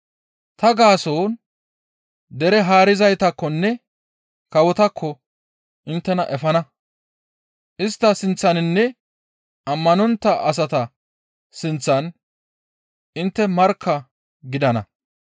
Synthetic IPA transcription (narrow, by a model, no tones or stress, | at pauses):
t̪ɐɡaːsoːn | d̪ɛɾɛɦaːɾɪzɐjt̪ɐkːɔnːɛ | kɐwɔt̪ɐkʰːɔ | ʔɪnt̪ːɛnɐʔɛfɐnɐ | ʔɪst̪ːɐsɪnt͡sːɐnɪnːɛ | ʔɐmːɐnɔnt̪ːɐʔɐs̬ɐt̪ɐ | sɪnt͡sːɐn | ʔɪnt̪ːɛmɐɾkʰːɐ | ɡɪd̪ɐnɐ̰